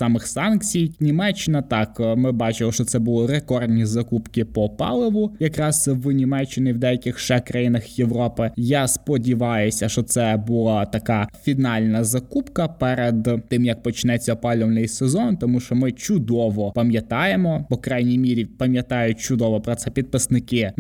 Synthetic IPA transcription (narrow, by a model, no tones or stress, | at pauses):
sɑmɪxsɑnkt͡sʲijnʲimɛt͡ʃːɪnɐt̪ɑkmɪbɑt͡ʃɪmɔʃt͡ʃɔt̪sɛbʊlˠɪɾekɔrd̪ʲnʲizɐkupkɪpɔpɑ̰lˠɪʋʊjɐkɾɑz̥wnʲimɛt͡ʃːɪnɪwd̪ɛjɐkʲɪxʃɛkɾɐjinɐxjeʋɾɔpɪjaspɔdʲiʋɑjʊsʲɐʃɔt̪sɛbʊlˠat̪ɐkafʲinɑlʲnɐzɐkupkɐpɛɾed̪t̪ɪmjɐk̚pɔt͡ʃnɛt͡sʲɐɔpɑlʲɔwnɪjsezɔnt̪ɔmuʃɔmɪt͡ʃʊd̪ɔʋɔpɐmʲjɐt̪ɑjemɔpɔkɾɑjnʲijmʲiɾʲipɐmʲjɐt̪ɑjʊt̚ʲt͡ʃʊd̪ɔʋɔpɾɔt̪sɛpʲit̪̚pɪsnɪkɪ